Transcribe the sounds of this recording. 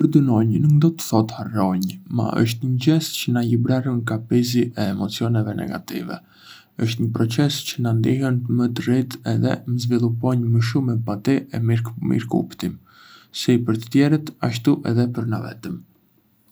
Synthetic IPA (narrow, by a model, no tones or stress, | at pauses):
pəɾd̪ənɔɲnukd̪ɔt̪ə̥θɔt̪harɔɲma̰ʔə̰ʃ̬t̪ɲəɟɛscənajəbɾarənkapiziʔɛːmɔt͡siɔnɛvɛnɛ̰ɡa̰t̪ḭvɛ̰ | əʃt̪ɲəpɾɔt͡sɛscənand̪iɦɛnt̪əmət̪ərit̪ɛðɛ̰məzvilˠupɔɲməʃ̬umɛpat̪iɛmimḭɾkṵpt̪im | sipəɾt̪ə̥t̪jɛɾət̪aʃ̬t̪uʔɛðɛpəɾnavɛ̰t̪əm